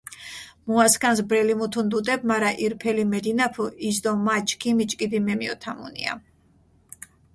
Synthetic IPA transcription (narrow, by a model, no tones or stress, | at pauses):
muaskʰʼansbɾɛlimut̪ʰund̪ud̪ɛb̚maɾaʔiɾpʰɛlimɛd̪inapʰuʔizd̪ɔmat͡ʃʰʼkʰimit͡ʃʼkʼid̪imɛmiɔ̰t̪ʰamṵnḭa̰